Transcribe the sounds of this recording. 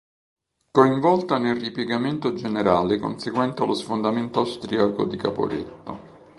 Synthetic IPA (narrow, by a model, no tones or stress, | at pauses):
koiɱvɔlt̪anelripjeɡament̪od͡ʒeneɾaːleko̰nseɡwɛnt̪alosfond̪ament̪oast̪ɾiako̰d̪ika̰po̰ɾḛt̪ːo